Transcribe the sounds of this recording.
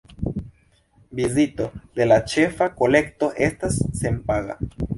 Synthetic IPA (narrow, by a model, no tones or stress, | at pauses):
bizito̞d̪e̞lat͡ʃe̞fako̞le̞kto̞ʔe̞stasːe̞mpaɡa̰